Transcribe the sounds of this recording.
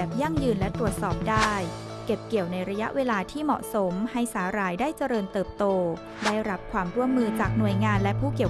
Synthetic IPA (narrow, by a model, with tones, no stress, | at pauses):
p̚ja˥˩ŋjɯː˧nlɛ˦˥t̪ɾu˨˩ət̪̚sɔː˨˩p̚daː˥˩j | ke˨˩p̚ki˨˩əwna˧jɾa˧ja̰˦˥ʔwʔeː˧laː˧t̪ʰiː˥˩mɔ̰˨˩ʔso˩˦mha˥˩jsaː˩˦ɾaː˧jdaː˥˩jt͡ɕa˧ɾɤː˧nt̪ɤː˨˩p̚t̪oː˧ | daː˥˩jɾa˦˥p̚kʰwaː˧mɾu˥˩əmːɯː˧t͡ɕaː˨˩k̚nu˨˩əjŋaː˧nlɛ˦˥pʰuː˥˩ki˨˩ə